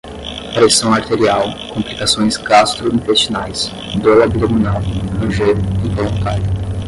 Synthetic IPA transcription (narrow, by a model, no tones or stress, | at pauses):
pɾesɐ̃w̃aɾt̪eɾiawkõmplikasõj̃sɡast̪ɾuĩt̪est͡ʃinajs | d̪owɐbilɐmunawɐ̃ʒeɾĩvolõt̪aɾjʊ